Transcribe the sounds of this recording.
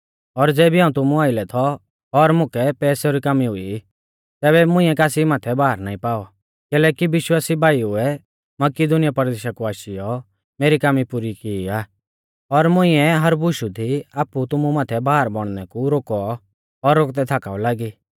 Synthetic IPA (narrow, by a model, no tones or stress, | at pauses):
ɔɾd͡zɛːbiaːũt̪ʊmũaːɪlɛt̪ʰɔ | ɔɾmʊ̃kʰɛpɛːsɔɾikamiɦʊi | t̪ɛːβɛmʊ̃ɪ̃ːɛkaːsimaːt̪ʰɛbaːɦəɾnaːĩpaːɔ | kɛlɛːkiʋɪʃwaːsibʱaːiʊɛ | mɐkid̪ʊnɪjapɐɾd̪eːʃakuaːʃijɔ | meːɾikaːmipuɾikiiaː | ɔɾmʊ̃ɪ̃ɛɦɐɾbʊʃud̪iaːpːut̪ʊmumaːt̪ʰɛbaːəɾbɔɽ̃nɛkuɾoːkɔ | ɔɾːok̚t̪ɛt̪ʰaːkaːɔlaːɡiː